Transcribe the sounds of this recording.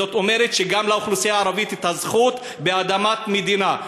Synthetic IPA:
ot̪o̞me̞ʁet̪ʃeɡamlauχlusijaːɾavit̪it̪azχut̪ | be̞ad̪amat̪med̪ina

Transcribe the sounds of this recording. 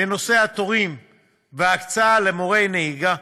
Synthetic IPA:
eno̞se̞hat̪o̞ʁim | veakt͡saalemo̞ʁe̞jneiɡa

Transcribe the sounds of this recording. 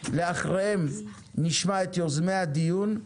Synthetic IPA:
leaχʁeem | niʃmaet̪jozmejhad̪ijun

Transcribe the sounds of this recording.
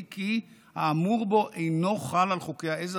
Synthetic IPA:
ki | haːmuʁbo̞ʔejno̞χalalχokehaez

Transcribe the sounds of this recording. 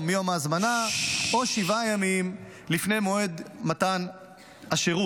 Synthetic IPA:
mjo̞mazmanao̞ʃivajamim | lifne̞jmo̞e̞d̪mat̪an | aʃeʁu

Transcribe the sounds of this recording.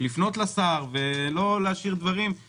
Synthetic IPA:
lifno̞t̪lasaʁvelo̞leaʃiʁd̪vaʁim

